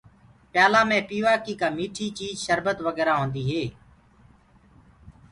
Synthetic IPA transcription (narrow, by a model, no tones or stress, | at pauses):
pjaːlaːmẽːpiːʋaːkiːkaːmiːʈʰiːt͡ʃiːd͡ʒʃəɾbət̪ʋəɡɛːɾaːɦõːnd̪iːɦeː